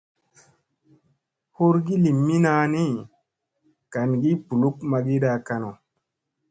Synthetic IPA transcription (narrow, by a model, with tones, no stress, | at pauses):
ho˦ɾɡi˦li˨mːi˦na˧˦ni˦ | ka˨nɡi˦pu˨lu˦kma˧ɡi˦ɗa˧ka˧no˨